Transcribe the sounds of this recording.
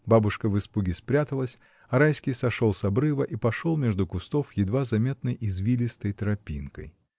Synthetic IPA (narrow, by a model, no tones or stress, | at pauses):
babʊʂkəvɨspuɡʲɪspɾʲat̪əlˠəsʲ | ɐɾajskʲijsɐʂolˠsɐbɾɨvəʔipɐʂolˠmʲe̞ʐd̪ʊkʊst̪ofjɪd̪vazɐmʲet̪nəjʔizvʲilʲɪst̪əjt̪ɾɐpʲinkə̰j